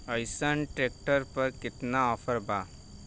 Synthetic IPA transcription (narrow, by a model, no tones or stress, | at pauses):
əjsənʈɾeːk̚ʈəɾpəɾkɪt̪naɔːfʰəɾbaː